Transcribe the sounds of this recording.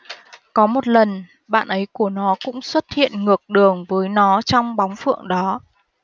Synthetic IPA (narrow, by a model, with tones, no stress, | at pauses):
kɔ˨˦mo˨˩t̚lə˨˩n | ɓa̰ː˧˨nʔə˨˦jku˧˩ənɔ˨˦kʊ̰˧˥ŋ͡mswə˦˥t̚hḭ˧˨ənŋɨ˨˩ək̚ɗɨ˨˩əŋvəː˨˦jnɔ˨˦t͡ɕɔ˧wŋ͡mɓa˨˦wŋ͡mfɨ̰˧˨əŋɗɔ˨˦